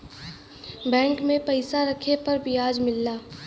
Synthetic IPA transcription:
bɛ̃ːŋkmẽpɐɪsaɾɐkʰepɐɾbʱiaːd͡ʒmɪlːaː

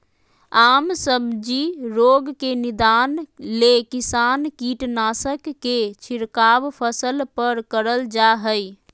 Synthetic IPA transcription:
amsəbd͡ʒiɾoɡkenid̪anlekisankiʈnasəkːet͡ʃʰiɾkabpʰəsəlpəɾkəɾəld͡ʒaɦəj

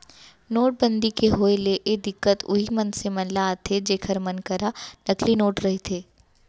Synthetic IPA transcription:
noːʈ̚bə̃nd̪ikeɦoːeleʔed̪ɪkːət̪ʊ̰ɦimɐnsemɐnlaːt̪ʰed͡ʒeːkʰəɾmɐnkɐɾanɐklinoːʈɾɐɦet̪ʰeː

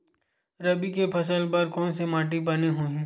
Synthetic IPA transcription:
ɾɐbikepʰɐs̬əlpɐɾkɔːnsemaːʈ̬ibɐneɦoːĩ

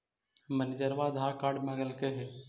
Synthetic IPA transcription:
mənɪd̪əɾʋaːd̪ɦaːkaːɖmaɡəlkeɦeː

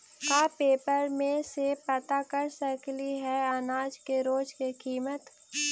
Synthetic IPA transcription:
kaːpeːpəɾmẽsepɐt̪akəɾsəkliɦɛanaːd͡ʒkeɾoːd͡ʒkekiːmət̪

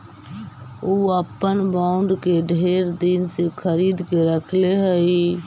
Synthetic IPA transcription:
oːəpːənbaːʊ̃ɳɖkeɖʱeːɾd̪insekʰəɾiːd̪keɾəkʰleɦəi

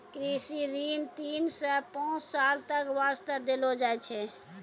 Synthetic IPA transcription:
kɾisiɾint̪iːnsəpãːt͡ʃsalt̪əkʋast̪əd̪elod͡ʒaɛt͡ʃʰɛ

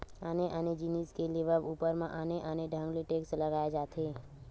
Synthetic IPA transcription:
əneʔəned͡ʒiniskeleʋəʋupəɾmãʔəneʔəneɖʱə̃ŋɡleʈeksləɡajed͡ʒat̪ʰe

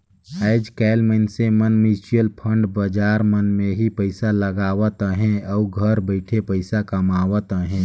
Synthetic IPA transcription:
əɪd͡ʒkɛɪlməɪnsemənmit͡ʃijəlpʰə̃ɳɖbəd͡ʒaːɾmənmẽɦipəɪsaləɡaːwət̪əɦɛ̃ɔːɡʱəɾbəɪʈʰepəɪsakəmaːwət̪əɦɛ̃

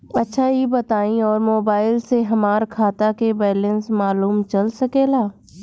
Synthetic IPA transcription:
ɐtːʃʰaɦibɐt̪aːĩɔːɾmoːbaːɪlseɦɐmaːɾkʰaːt̪akebɛːlə̃nsmaːluːmt͡ʃɐlsɐkeːlaː

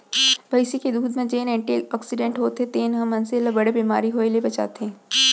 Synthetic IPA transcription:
bʱɐjsiked̪uːd̪mẽd͡ʒeːnɛ̃ɳʈiɔːksɪɖẽɳʈɦoːt̪ɦẽt̪eːnɦɐmɐnselɐbɐɽebiːmaːɾiɦoːelebɐt͡ʃa̰ːt̪eɦẽː

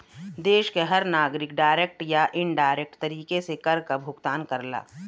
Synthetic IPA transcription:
d̪eːʃkeɦɐɾnaːɡɾɪkɖaːɪɾeːk̚ʈjaʔɪɳɖaːɾeːk̚ʈt̪ɐɾiːkesekɐɾkabʱʊɡt̪aːnkɐɾla̰ː

